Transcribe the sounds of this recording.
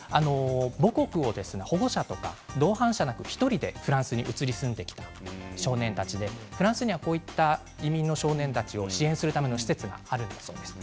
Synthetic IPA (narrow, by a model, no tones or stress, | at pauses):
ano̞bo̞ko̞kɯ̟o̞d̪e̞sɨne̞ho̞ɡo̞ɕat̪o̞ka̰d̪o̞ːhãɰ̃ɕanakɯ̟çi̥t̪o̞ɾʲid̪e̞ɸɯ̟ɾãɰ̃sɨɲ̟iʔɯ̟t͡sɨɾʲisɨ̃nd̪e̞kʲi̥t̪aɕo̞ːnẽ̞nt̪at͡ɕid̪e̞ɸɯ̟ɾãsɨɲ̟iβako̞ːit̪ːa | imʲĩnːo̞ɕo̞ːnẽ̞nt̪at͡ɕio̞ɕiẽ̞ɰ̃sɨɾɯ̟t̪ame̞no̞ɕi̥se̞t͡sɨɡa̰aɾɯ̟̃nd̪aso̞ːd̪e̞sɨ̥